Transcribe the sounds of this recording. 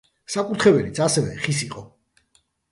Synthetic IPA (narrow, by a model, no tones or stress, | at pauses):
sakʼuɾt̪ʰχɛvɛlit̪sʰasɛvɛχisiqʼɔ